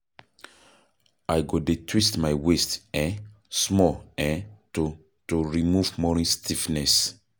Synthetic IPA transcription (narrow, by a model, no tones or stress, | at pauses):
ajɡodetʰwistmajwestɛ | smɔɛto | toɹimuvmɔɹĩstʰifnɛs